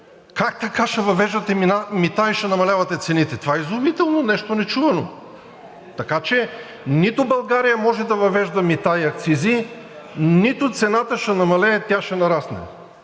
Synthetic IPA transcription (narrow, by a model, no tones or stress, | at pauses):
kak̚t̪ɐkaʃɛvɐvɛʒd̪ət̪ɛminamit̪aiʃɛnɐmɐlʲavɐt̪ɛt̪sɛnit̪ɛt̪ovaɛizumit̪ɛlˠnonɛʃt̪onɛt͡ʃuvɐno | t̪ɐkat͡ʃɛ | nit̪ʊbɐlˠɡaɾijəmɔʒɛd̪ɐvɐvɛʒd̪ɐmit̪aiɐk̚t̪sizi | nit̪ʊt̪sɛnat̪əʃɛnɐmɐlɛt̪jaʃɛnɐɾasnɛ̰